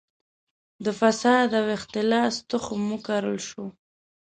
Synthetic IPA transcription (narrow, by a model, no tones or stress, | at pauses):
d̪əfasɑd̪awɪxt̪ɪlɑst̪ʊxomukaɾəlʃu